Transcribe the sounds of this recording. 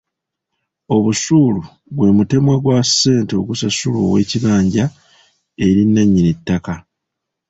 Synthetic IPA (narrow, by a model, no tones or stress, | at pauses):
o̞βusuːlu | βwe̞ːmute̞mwaɡwasːe̞ːnteo̞ɡusasulo̰ːwe̞̰ːciβaːɲɟa | e̞ɾinːaɲːinetːaka